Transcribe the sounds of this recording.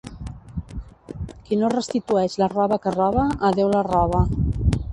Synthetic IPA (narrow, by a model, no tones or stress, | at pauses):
kinorəst̪it̪uɛʃlərɔβəkərɔβəːðewlərɔβ̞ə